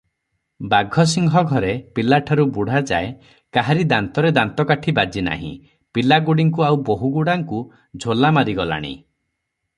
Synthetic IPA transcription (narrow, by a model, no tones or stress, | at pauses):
baɡʱɔs̬iŋɡʱɔɡʱɔɾepilaʈʰaɾubuɽ̤ad͡ʒa̰e | kaɦaɾid̪ant̪ɔɾed̪ant̪ɔkaʈʰibad͡ʒina̰ɦḭ̃ | pilaɡuɽiŋkuawboɦuɡuɽaŋku | d͡ʒʱolamaɾiɡɔla̰ɽ̃ḭ